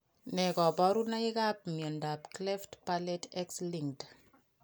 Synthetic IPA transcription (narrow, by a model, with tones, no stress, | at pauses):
nɛ˨kɔ˨bɔ˦ɾu˦na˦ɪ˦ka˦p̚miɔ˨nda˨pklɛ˦ftpalɛ˦tɛ˦ksliŋd